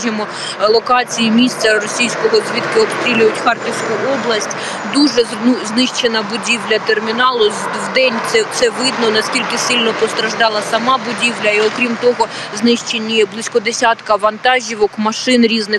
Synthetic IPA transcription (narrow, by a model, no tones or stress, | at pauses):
ʒɪmɔ | lˠɔkɑt͡sʲijimʲist̪t͡s̪ʲɐrɔsʲijsʲkɔɦɔzʲʋʲit̪kɪɔpst̪ɾʲilʲʊjʊtʲxɑrtʲiwsʲkʊɔblˠɐsʲtʲ | d̪uʒɛ | znɪʃt͡ʃenɐbʊdʲiwlʲɐt̪ermʲinɑlˠʊ | ʋd̪ɛnʲt̪ɛt̪sɛʋɪd̪nɔnɐsʲkʲilʲkɪsɪlʲnɔpɔst̪ɾɐʒd̪ɑlˠɐsɐmɑbʊdʲiwlʲɐiɔkɾʲimt̪ɔɦɔznɪʃt͡ʃenʲːiblˠɪsʲkɔd̪esʲat̪kɐʋɐnt̪ɑʒʲiʋɔkmɐʃɪnɾʲiznɪx